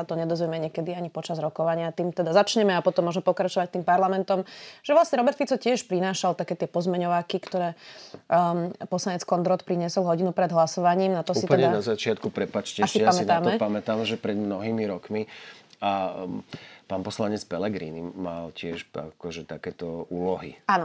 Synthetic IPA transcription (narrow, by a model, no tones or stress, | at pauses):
at̪ɔɲɛd̪ɔzʋɛmɛɲɛkɛd̪iaɲipɔt͡ʃazɾɔkɔʋaɲɪat̪iːmt̪ɛd̪azat͡ʃɲɛmɛapɔt̪ɔmːɔʒmɛpɔkɾat͡ʃɔʋac̚t̪iːmpaɾlamɛnt̪ɔmʒ̥ɛʋlasɲɛɾɔbɛɾt̪fit͡sɔcɪɛʃpɾinaːʃalt̪akɛːt̪ɪɛpɔzmɛɲɔʋaːkikt̪ɔɾɛː | pɔslaɲɛt͡skɔnd̪ɾɔt̪pɾiɲɪɛsɔlˠɦɔɟinupɾɛd̪ɦlasɔʋaɲiːmnat̪ɔsuːitp̪ɛɲd̪anazat͡ʃɪat̪̚kupɾɛpat͡ʃcɛasijapamɛint̪aːmɔɛtpamɛt̪amʒɛpɾɛd̪mnɔɦiːmiɾɔkmia | paːnpɔslaɲɛt͡spɛlɛɡɾḭːniːa̰lcɪɛʃa̰kɔʒɛt̪akɛːt̪ɔuːlɔɦḭaːnɔ